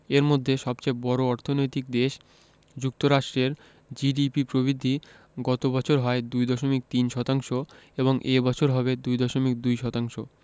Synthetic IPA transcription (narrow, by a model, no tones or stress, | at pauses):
eɾmod̪ʱːeʃɔb̚t͡ɕebɔɾoɔɾt̪ʰonojt̪ik̚d̪eʃ | d͡ʑuk̚t̪oɾaʃʈɾeɾ | d͡ʑiɖipipɾoβid̪ʱːi | ɡɔt̪obɔt͡ɕʰoɾɦɔed̪ujd̪ɔʃomik̚t̪inʃɔt̪aŋʃoeβoŋʔebɔt͡ɕʰoɾɦɔbed̪ujd̪ɔʃomik̚d̪ujʃɔt̪aŋʃo